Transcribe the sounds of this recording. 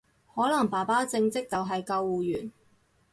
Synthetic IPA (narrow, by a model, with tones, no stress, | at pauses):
hɔː˨˥lɐ˨˩ŋpaː˨˩paː˥t͡sɪ˧ŋt͡sɪ˥k̚t͡sɐ˨wɦɐ˨jkɐ˧wːuː˨˩jyː˨˩n